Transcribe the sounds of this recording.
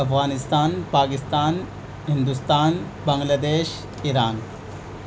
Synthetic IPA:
ɐpʰɣaːnɪst̪aːnpaːkɪst̪aːn | ɦind̪ust̪aːn | bɐŋɡlaːd̪eːʃ | iɾaːn

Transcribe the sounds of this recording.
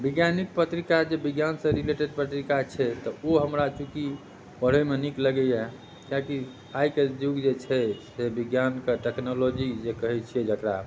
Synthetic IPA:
biɡjanik̚pət̪ɾikad͡ʒebiɡjansə̃ɾileʈeɖpət̪ɾikat͡ʃʰɛt̪əoɦəmɾat͡ʃuki | bəɽ̤əmenikləɡɛjɛ | kaki | ajked͡ʒuɡd͡ʒet͡ʃʰɛsebiɡjankeʈɛknolod͡ʒid͡ʒekəɦɛt͡ʃʰied͡ʒʱəkɾa

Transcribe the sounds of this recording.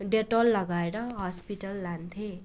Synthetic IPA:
ɖeʈolːʌɡaeɾʌɦʌspiʈʌlːant̪ʰe

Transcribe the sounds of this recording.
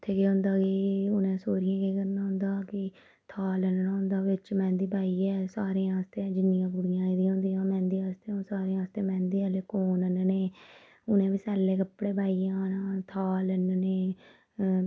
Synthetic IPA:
ɪt̪ʰːeːkeːɦʊ̃nd̪aːkɪʊnẽːsoːɾɪjãːkeːkəɾnãːɦʊ̃nd̪aːkɪ | t̪ʰaːlənnãːɦʊ̃nd̪aːʋɪt͡ʃmɛ̃ːnd̪iːbʱaːiːɛːsaːɾẽːãːst̪ẽːd͡ʒɪnːɪ̃jãːbʊɽɪjãːid̪ĩːɦõʊ̃ːnd̪iãːmɛ̃ːnd̪iːaːst̪eːõːsaːɾẽːaːst̪eːmɛ̃ːnd̪iːəleːkoːnənneː | ʊnẽːʋiːsɛːlːeːkəpːɽeːbʱaːiːãːnaːt̪ʰaːlənneː

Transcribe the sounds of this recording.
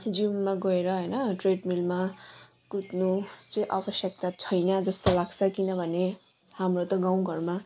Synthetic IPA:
d͡zimːaɡʌeɾʌɦʌjnʌʈreɖmilma | kut̪nut͡sʌĩʔabʌsjʌk̚t̪at͡sʰʌjnʌd͡zʌst̪olaɡsʰʌkinʌbʱʌne | hamrot̪ʌɡaw̃ɡʱʌrma

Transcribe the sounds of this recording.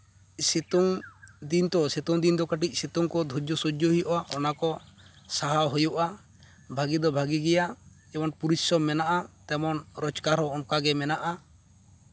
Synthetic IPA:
set̪ɔŋd̪int̪ɔset̪ɔŋd̪ind̪ɔkaʈ̬ic̚set̪ɔŋkɔd̪ʱud͡ʒɔsud͡ʒɔɦijʔaʔɔnakɔ | saɦaɦujuʔa | bʱaɡid̪ɔbʱaɡiɡɛja | ɛmɔnpuɾisɔmːɛnaʔat̪ɛmɔnɾɔt͡ʃkaɾhɔɔnkaɡɛmɛnaʔa

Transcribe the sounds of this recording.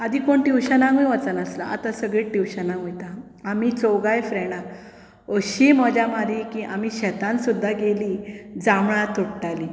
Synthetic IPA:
ad̪ʱiːkoɳʈiwɕənãŋɡũjʋat͡sənəsla̰ʔa̰t̪ãsəɡɭeʈiwɕənãŋɡujt̪aː | mit͡sowɡajfɾɛɽ̃a | oɕimɔd͡ʑjamad̪ʱikĩʔamiɕɛt̪ãnsud̪ʱːaɡelid͡zamɭat̪uɽʈali

